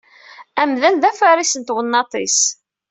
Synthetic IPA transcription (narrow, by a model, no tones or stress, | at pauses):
æmðænðæfæɾisənt̪wənːɑt̪ˤis